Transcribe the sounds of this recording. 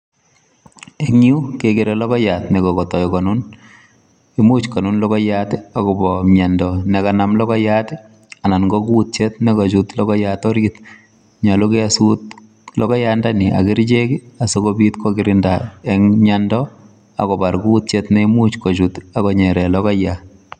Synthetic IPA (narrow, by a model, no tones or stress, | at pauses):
ɛŋukekɪɾɛlɔkɔjatnɛkɔkɔtɔikɔnʊn | ɪmut͡ʃkɔnunlɔkɔjatɪakɔbɔmɲandɔnɛkanamlɔkɔjatɪ | ananŋɡɔkuːt̚t͡ʃɛtnɛkɔt͡ʃutlɔkɔjatɔɾɡɪt̪ | ɲalʊkɛasut | lɔkɔjandanɪʔa̰kɪɾd͡ʒekiasokɔbitkɔɡɪɾɪndaɛŋɲandɔ | a̰kɔbaɾkuːt̚t͡ʃetnɛimut͡ʃkɔt͡ʃutakɔɲɛɾɛlɔkɔja